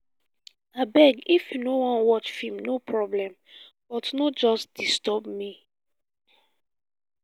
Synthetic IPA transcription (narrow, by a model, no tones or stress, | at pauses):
abɛɡifjunowɔ̃nwɔt͡ʃfimnopʰɹɔblɛ̃m | b̥ɔtnɔd͡ʒɔstd̥istɔbmi